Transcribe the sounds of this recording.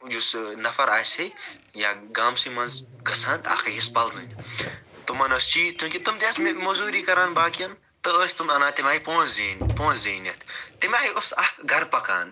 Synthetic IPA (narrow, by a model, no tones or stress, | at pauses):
jusnɐfɐɾaːshej | jaːɡaːmsimɐ̃nz | ɡɐsɐ̃nt̪a̰ːkʰɐjispɐld̪ṵnʲ | t̪umɐnost͡ʃiːt͡ʃ̪ũːkit̪umd̪ʲɐːsmemozuːɾiːkɐɾaːnbaːkijɐn | t̪ɐloːsʲt̪umɐnaːt̪imʲaːipõːnziːnpõːnziːnʲɐt̪ʰt̪imaːɦiosɐhɡɐɾpɐkã̰ːn